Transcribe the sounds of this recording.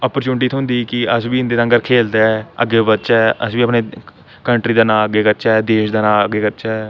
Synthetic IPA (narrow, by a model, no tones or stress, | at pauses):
ɔːpəɾt͡ʃuːnʈiːt̪ʰɦʊ̃nd̪iːkɪəsbiːɪnd̪eːãŋɡəɾkʰeːld̪aːɛə̰ɡeːbət̪ːt͡ʃɛːʔəsʋiːəpneː | kəɳʈɾiːd̪aːnãːəɡeːkəɾt͡ʃaɛːd̪eːʃd̪aːnãːəɡeːkəɾt͡ʃaː